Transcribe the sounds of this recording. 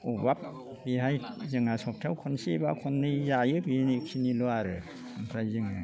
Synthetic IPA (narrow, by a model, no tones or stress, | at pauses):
ubap̚ | biɦajzɯŋasɔp̚tʰawkʰɔnsiba̰kʰɔnːɯjzajɯbinikʰinilɔaɾɯ | ampʰɾajzɯŋɯ